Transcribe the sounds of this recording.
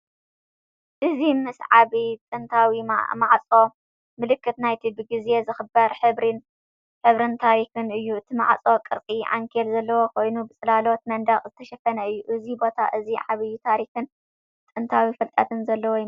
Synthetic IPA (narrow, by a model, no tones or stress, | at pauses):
ʔɨzimɨsʕaβit̪ʼɨnt̪ʰawimaʕt͡sʼo̞ | mɨlɨkʰːɨt̪najt̪ʰibɨɡize̞zɨxɨbɐɾħɨβɾin | ħɨβɾɨnt̪ʰaɾixɨnɨjːuɨt̪ʰima̰ʕt͡sʼo̞kʼɨɾt͡sʼiʕa̰ŋkʰelzɐlːɐwo̞kʰo̞jnubɨt͡sʼɨlalo̞t̪̚mɐnd̪ɐχʼzɨt̪ʰɐʃɐfɐnɐɨjːuʔɨzibo̞t̪ʰa̰ʔɨziʕaβɨjːut̪ʰaɾixɨn | t̪ʼɨnt̪ʰawifɐlt̪ʼat̪ʰɨnzɐlːɐwo